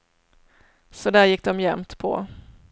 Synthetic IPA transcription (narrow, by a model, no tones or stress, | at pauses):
sɔd̪æːɾjɪk̚ːd̪ɔmjɛmt̪pʰɔ̰